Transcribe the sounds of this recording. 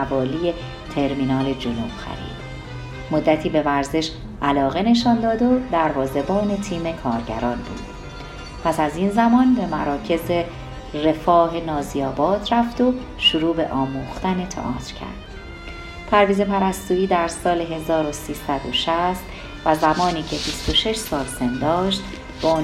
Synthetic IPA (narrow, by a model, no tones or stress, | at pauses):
vɒːlije̞ | t̪ʰe̞ɾmiːnɒːle̞d͡ʒonub̥xæ̰ɾḭːd̪̥ | mod̪ːæt̪ʰiːbe̞væɾze̞ʃ | ʔælɒːɣe̞ne̞ʃɒːnd̪ɒːd̪o̞d̪æɾvɒːze̞bɒːne̞t̪ʰiːme̞kʰɒːɾɟæ̰ɾɒːnbṵːd̪̥ | pʰæsæzinzæmɒːnbe̞mæɾɒːcʰe̞ze | re̞fɒːɦe̞nɒːziɒːbɒːd̪̥ɾæft̪o̞ | ʃuɾuːbe̞ʔɒːmuːxt̪æne̞t̪ʰḛʔɒ̰ːt̪ʰɾcʰæ̰ɾd̪̥ | t̪ʰæɾviːze̞pʰæɾæst̪uːiːd̪æɾsɒːle̞ɦe̞zɒːɾo̞siːsæd̪o̞̰ʃæst̪ | væzæmɒːniːcʰe̞bist̪o̞ʃe̞ʃsɒːlsend̪ɒːʃt̪ | beon